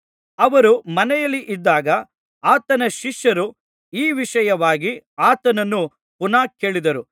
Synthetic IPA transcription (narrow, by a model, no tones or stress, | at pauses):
ɐʋɐɾumɐnɛjɐlːiʔid̪ːaːɡɐ | aːt̪ɐnɐʃiʃjɐɾu | iːʋiʂɐjɐʋaːɡi | aːt̪ɐnɐnːu | punaːke̞ːɭid̪ɐɾu